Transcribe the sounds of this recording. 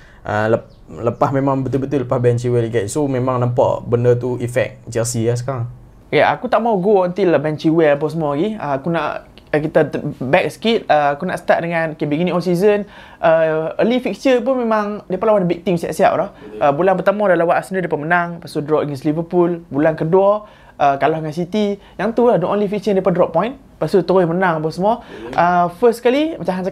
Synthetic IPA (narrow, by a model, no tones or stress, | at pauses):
ʔə̰lə | ləpahmemãŋbət̪̬ubət̪uləpahbɛnt͡ʃiwɛliɡɛʔsomẽmãŋnãmpɔ̰ʔbəndət̪uifɛ̰k̚d͡ʒɛlsiasə̥kaɾaŋ | kaʔa̰kut̪aʔmauɡoɔnt̪ilbɛnt͡ʃiwɛlp̬ɔsəmɔaɡiəakuna̰ʔ | əkit̪abɛk̚sə̥kit̪̚əakuna̰ʔsə̥t̪aʔ̪̚dəŋãnokebiɡinĩŋɔsizən | ʔəəlifik̚səp̬unmemaŋdiapalawandbik̚t̪iŋsia̰ʔsia̰p̚ɾɔhʔəbulanpət̪amɔdalawaʔasnudiapamənaŋpasudrɔp̚əɡɛnslivəpulbulankədwɔ | ʔəkalɔhəŋansit̪i | jaŋt̪ulahdɔ̃ʔɔ̃nlifik̚səndiapandrɔp̚pːɔ̃jĩn | pasut̪uɾʊhmənaŋbɔsəmɔʔəfəskalimət͡ʃãɦans